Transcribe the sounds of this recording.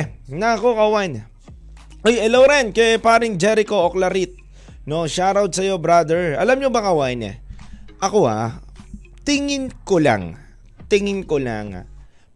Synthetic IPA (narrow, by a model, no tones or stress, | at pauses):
nɐɐko̞kɐwaʔn | ʔojɛlowɾɛnkɛpaːɾɪŋd͡ʒɛɾɪko̞ʔoklɐɾit̪̚ | no̞ʃaːɾɐwd̪̚sɐjo̞bɾad̪ɛɹʔɐ̰lamɲobɐkɐwaʔɪnɛ̰ʔɐko̞a̰ | t̪ɪŋɪnkola̰ŋ | t̪ɪŋɪnkola̰ŋa̰